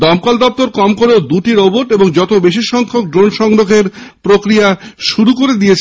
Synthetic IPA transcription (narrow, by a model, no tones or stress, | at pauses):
d̪ɔmkald̪ɔp̚t̪oɾkɔmkoɾeod̪uʈiɾoboʈeboŋd͡ʑɔt̪obeʃiɾʃɔŋkʰok̚ɖɾonʃɔŋɾoɡʱeɾpɾokɾijaʃuɾukoɾed̪ijet͡ɕʰ